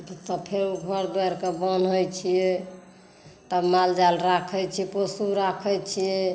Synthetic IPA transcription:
t̪ɔpʰeɾuɡʱəɾd̪ɛɾkebənəjt͡ʃʰije | t̪əmald͡ʒalɾakʰət͡ʃʰiɛposuɾakʰəjt͡ʃʰije

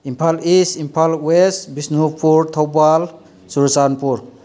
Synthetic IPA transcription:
impʰalisimpʰalwestbisnupʰuɾt̪ʰawbal | suɾsanpuɾ

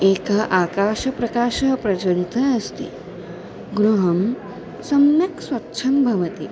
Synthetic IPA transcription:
eːkɐɦʔaːkaːʃɐpɾɐkaːʃɐɦpɾɐt͡ʃɐnit̪ʰɐːst̪ḭ | ɡɾuɦɐm | sɐmjɐksʋɐtːʃʰɐmbʱɐʋɐt̪i

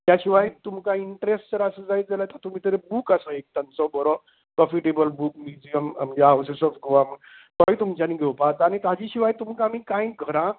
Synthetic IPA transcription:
t̪jaɕiʋajt̪umkaiɳʈɾesʈd͡zəɾasəd͡zait̪̚d͡zalət̪əɾt̪um̤iːt̪əɾebuːkasəek̚t̪ənt͡sɔbəɾɔ | pɾɔfiʈebəlbuːk̚mjud͡zijəma̰md͡ʑaawsesɔfɡoʋaməkəĩt̪umt͡ɕaniːɡʱeʋpat̪ːñit̪ad͡ʑiɕiʋajt̪umkaːmiːkãjɡʱəɾã

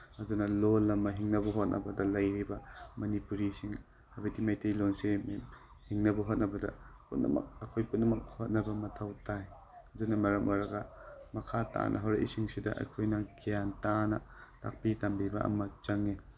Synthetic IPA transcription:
ɐdunɐlolːɐmɐɦiŋnɐbɐɦot̚nɐ̰bɐdɐlɐjɾibɐmɐnipuɾisiŋ | ɐbɐjtimajtejlonsim | hiŋnɐbɐɦot̚nɐbɐdɐ̰putnɐ̰mɐ̰k̚ɐkʰojput̚nɐmɐk̚hot̚nɐbɐmɐtʰɐwtaj | ɐdunɐmɐɾɐmʔoɾɐɡɐmɐkʰata̰nʔɐ̰ɦɐwɾɐʔḭsiŋsidɐʔɐ̰jkʰojnɐɡijantanɐ̰ta̰k̚pitambibɐʔɐ̰mɐt͡ʃɐŋːi

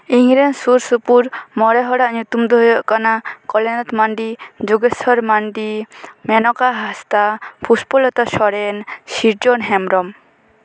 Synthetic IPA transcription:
iŋɾɛnsuɾsupuɾmɔɾɛɦɔɽaʔɲut̪umd̪ɔɦujɔʔkanakɔlɛnɔt̪maɳɖid͡ʒuɡɛsɔɾmaɳɖimɛnɔkaɦast̪apʰuspɔlɔt̪ɔʃɔɾɛnsiɾd͡ʒɔnɦɛmɾɔm

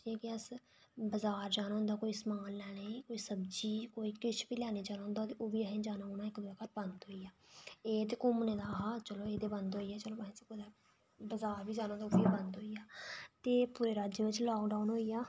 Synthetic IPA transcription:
ɛːkɪəs | bəzaːɾd͡ʒaːñãːʊ̃nd̪aːkoːiːsmaːllɛːnəĩːkoːiːsəbd͡ʒiːkoːiːkɪt͡ʃʰbiːlɛːniːd͡ʒaːnãːnd̪aːt̪eʔoːʋiːəɦẽːd͡ʒaːnãːonaːɪkd̪ɛːkat̪̚bənd̪ɦoːijaːeːt̪eːkʊmneːd̪aːɦaːt͡ʃəloːeːd̪eːbənd̪ɦoːiːjaːt͡ʃəloːəẽːsekod̪aː | bəzaːɾbiːd͡ʒaːnãːnd̪aobiːbənd̪ɦoːijaːt̪eːpuːɾeːɾaːd͡ʒjəʋɪt͡ʃlɔːkɖaunɦoːijaː

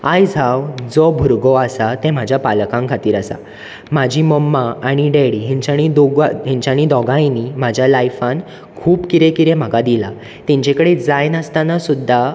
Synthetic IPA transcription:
ajd͡zʱawd͡zɔbʱuɾɡɔasat̪ɛ̃m̤ad͡ʑʱjapalkãŋkʰat̪iːɾasa̰ | m̤ad͡ʑʱiməmːaːɽ̃iɖeɽiɦɛ̃ɲt͡ɕaɽ̃id̪ɔɡɦɛ̃ɲt͡ɕjaɽ̃id̪ɔɡãjnim̤ad͡ʑʱjalajfãn | kʰuːpkiɾẽkiɾɛ̃m̤aɡad̪ila | t̪ɛ̃ɲt͡ɕɛ̃kəɽed͡zajnəst̪anasud̪ʱːa

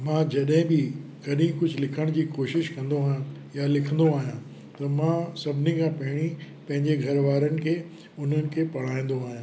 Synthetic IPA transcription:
mãːd͡ʑɐɗɦɪ̃bɪkɐɗĩkʊd͡ʑʱʊlɪkʰəɽ̃d͡ʑiːkoːʃɪʃkɐ̃nd̪oaːɦjã | jalɪkʰə̃nd̪oaːɦijã | t̪ɐmãsɐbʱɪnikʰãːpɐɦɪɽ̃i | pɐ̃ɦɪ̃ɲd͡ʑeɡʱɐɾʋaːɾənɪ̆kʰeː | ʊn̤ənɪ̆kʰeːpɐɽ̤aːĩn̆d̪oaːɦijã

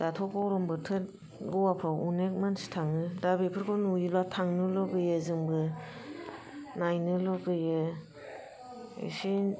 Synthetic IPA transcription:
datʰɔkɔɾɔmbɯtʰɯt | ɡɔwapʰɾawunek̚mansi̥tʰaŋɯdabipʰɯɾkʰɔnujilwatʰaŋnɯlɔɡɯjɯzɯŋbɯ | najnɯlɔɡɯjɯ | ḛsi

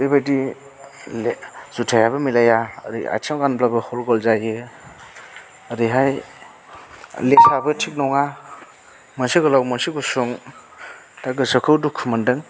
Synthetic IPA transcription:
debadi | lz̥utʰajabɯmilaja̰ɾḭa̰t͡ʃʰamɡanblabɯhɔlɡɔlzajɯ | ɾiɦaj | lesabɯtʰik̚nɔŋa | mansiɡɯlawmɔnsiɡusuŋ | taɡɯsakʰɯwdukʰumɯndɯŋ

